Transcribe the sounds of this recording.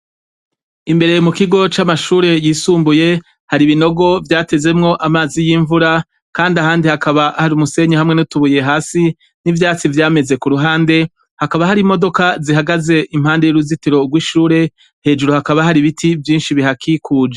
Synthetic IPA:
imbe̞ɾe̞mukiɡo̞t͡ʃamaʃuːɾe̞jiːsuːmbuje̞ | haɾiβino̞ɡo̞vjaːte̞ze̞mŋo̞ʔamaːzijiɱvuɾa | kaːndiaɦaːndihakaβaʔahaɾiumuse̞ɲehamŋe̞nutuβuje̞ɦaːsi | nivjaːt͡sivjaːme̞ze̞kuɾuɦaːnde̞ | hakaβahaɾimo̞do̞kaziɦaɡaze̞ʔim̥haːnde̞joɾuzitiɾo̞ɡwiːʃuːɾe̞ | he̞ːd͡ʒuɾuhakaβahaɾiβitʰivjiːnʃiβiɦakʰikʰuːd͡ʒe

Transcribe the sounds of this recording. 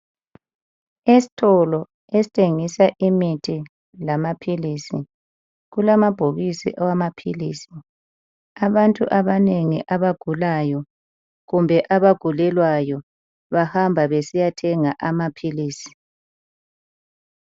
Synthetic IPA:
esi̥tʰɔlɔ | esi̥tʰeŋisaʔimitʰi | lamapʰiliːsi | ɣulamab̥ʱoɣisḭʔawamapʰilḭːsi | aβantʼṵʔaβaneŋḭʔaβaɡ̥ʱulajɔ | ɣumbʱɛʔaβaɡ̥ʱulɛlwajɔ | βahambʱaβesijatʰɛŋaʔamapʰiliːsi̥

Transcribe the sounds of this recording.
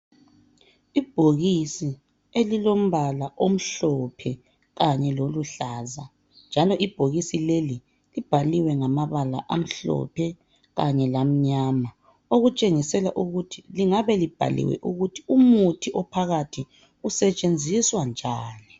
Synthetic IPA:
ib̥ʱoɣisi | elilom̩βalaʔom̩ɬɔpʰɛ | ɣaɲɛloluɬaza | nd͡ʒʱalɔʔib̥ʱoɣisileli | lib̥ʱaliwɛŋamaβala̰ʔa̰m̩ɬɔ̰pʰɛ | ɣaɲɛlam̩ɲama | oɣut͡ʃʼeŋisɛlaʔuɣutʰiliŋaβɛlib̥ʱa̰lḭwɛ̰ʔuɣutʰiumutʰiʔɔpʰaɣatʰi | usɛt͡ʃʼend͡zʱiswand͡ʒʱaːni

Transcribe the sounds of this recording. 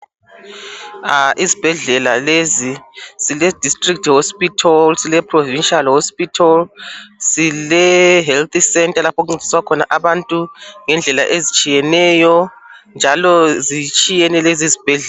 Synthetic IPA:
aʔizib̥ʱɛɮɛlalezisilɛd̥ʱistʼriktʰhospʼitʰɔlsilɛpʰʼrɔvinʃalhospitʰɔlsilɛɦɛlt̪isɛntʼalapʰɔk̬uŋ͡ǀizʱiswakʰɔna̰ʔaβantʼuŋɛnd͡ɮʱɛla̰ʔezit͡ʃʼijɛnɛjɔ | nd͡ʒʱalɔzit͡ʃʼijɛnɛlezizib̥ʱɛɮɛla

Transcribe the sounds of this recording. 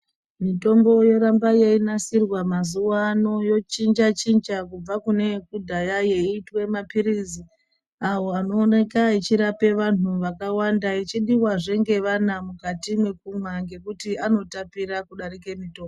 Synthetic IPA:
mito̞mbo̞jo̞ɾambajeinasirwamazuwaːno̞jo̞t͡ʃind͡ʒat͡ʃind͡ʒakub͡vakune̞kudʱajaje̞itwe̞mapiɾizi | awo̞ano̞ːne̞kait͡ʃiɾape̞ʋan̤uʋakawandait͡ʃiɗiwaʐe̞ŋɡe̞ʋanamukatimwe̞k̚umwaŋɡe̞kutiano̞tapiɾakuɗaɾike̞mito̞ːmbo

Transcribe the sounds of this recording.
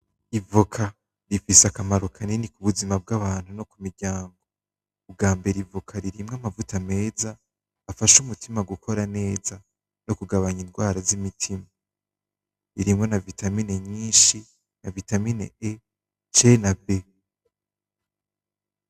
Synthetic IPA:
ivokʰa | ɾifiseakamaɾukʰaninikuβuzimab̚ɡaβaːn̥huno̞kumiɾɟaːŋɡo̞ː | bɡaːmbe̞ɾivukʰaɾiɾimŋamavutame̞ːzaː | faʃumutʰimaɡukʰo̞ɾane̞ːza | no̞kuɡaβaɲinɡwaːɾazimitʰima | iɾimŋo̞navitamine̞ɲiːnʃi | navitaminḛe | t͡ʃe̞nabe

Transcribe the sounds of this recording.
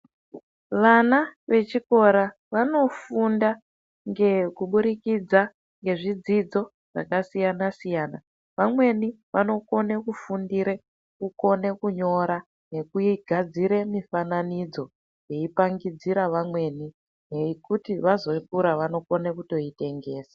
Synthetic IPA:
ʋanaʋe̞t͡ʃiko̞ɾa | ʋano̞funda | ŋɡekuɓuɾikid͡za | ŋɡe̞ʐid͡zid͡zo̞ | ʐ̥a̰kasijanasijaːna | ʋamwe̞ni | ʋano̞ko̞ne̞kufundiɾe | kuko̞ne̞kuɲo̞ɾa | ne̞kuiɡʱad͡ziɾe̞mifananid͡zo̞ | je̞ipaŋɡid͡ziɾaʋamwe̞ni | jeikutiʋazo̞ipuɾaʋano̞ko̞nekuto̞ite̞ŋɡe̞ːsḁ

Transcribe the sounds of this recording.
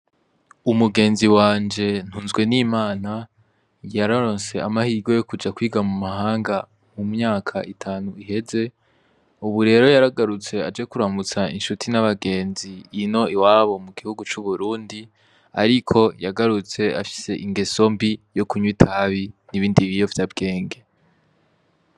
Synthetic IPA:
umuɡe̞ːnziwaːnd͡ʒe̞n̥huːnzɡwe̞niːmaːna | jaɾaɾo̞ːnse̞amahiːɡo̞jo̞kud͡ʒakwiːɡamumahaːŋɡa | mumɲaːkʰaʔitʰaːnuihe̞ze̞ | uβuɾe̞ːɾo̞jaɾaɡaɾut͡se̞a̰d͡ʒe̞kuɾamut͡sainʃutʰinaβaɡe̞ːnziːno̞iwaːβo̞muɡihuɡut͡ʃuβuɾuːndi | a̰ɾikʰo̞jaɡaɾut͡se̞a̰fi̥se̞ʔiŋɡe̞so̞mbijo̞kuɲwitʰaβiniβiːndiβijo̞vjabɡe̞ːŋɡe̞

